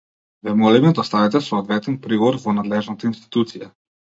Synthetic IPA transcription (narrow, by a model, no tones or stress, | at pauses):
vɛmɔlɛmɛd̪ɔst̪avɛt̪ɛsɔːd̪vɛt̪ɛnpɾiɡɔvɔɾvɔnad̪lɛʒnat̪ainst̪i̥t̪ut̪sija